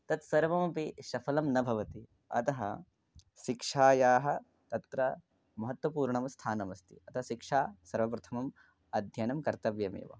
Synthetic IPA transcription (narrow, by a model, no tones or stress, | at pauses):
t̪ɐt̪sɐɾʋɐmɐpiʃɐfʰɐlɐmnɐbʱɐʋɐt̪i | ɐ̰t̪ɐɦɐ̰ | ʃikʂaːjaːɦɐ̆ | t̪ɐt̪ɾɐ | mɐɦɐt̪wɐpuːɾɳɐmst̪ʰaːnɐmɐst̪ʰḭɐt̪ʰɐʃikʂaːsɐɾʋɐpɾɐt̪ʰɐmɐm | ɐd̪ʱjɐnɐmkɐɾt̪ɐʋjɐmḛːʋɐ̰